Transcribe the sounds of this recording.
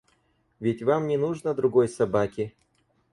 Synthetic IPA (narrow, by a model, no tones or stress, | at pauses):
vʲɪtʲvamnʲɪnuʐnəd̪ɾʊɡo̞jsɐbakʲɪ